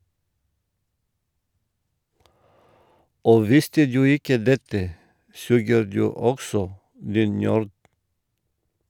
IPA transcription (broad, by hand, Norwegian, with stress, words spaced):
ˈoː ˈʋɪstə ˈdʉː ˈɪkə ˈdɛtə ˈsʉːɡəɾ ˈdʉː ˈɔɡsɔ ˈdiːn ˈnøːɾd